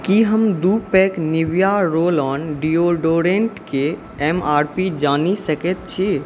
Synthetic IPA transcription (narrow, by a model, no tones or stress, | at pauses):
kiɦəmd̪upɛkniʋjaɾolɔnɖioɖoɾeɳʈke | ɛmaːɾpid͡ʒanisəkɛt̪̚t͡ʃʰi